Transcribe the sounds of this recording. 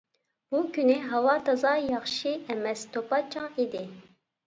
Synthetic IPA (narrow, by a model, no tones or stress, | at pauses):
b̥ukʲyniɦɑwɑːt̪ʰɑzɑjɑχʃiɛmɛst̪ʰopɑt͡ʃʰɑŋid̪i